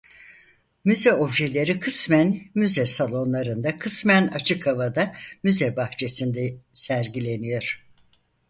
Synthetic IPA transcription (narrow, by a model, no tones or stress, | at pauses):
myzɛo̞bʒelʲe̞ɾikʰɯsmænmyzɛsalˠo̞nlˠaɾɯnd̪akʰɯsmænat͡ʃʰɯkʰhavad̪amyzɛbaht͡ʃʰe̞sind̪ɛsæɾɟilʲe̞nijo̞ɾ̥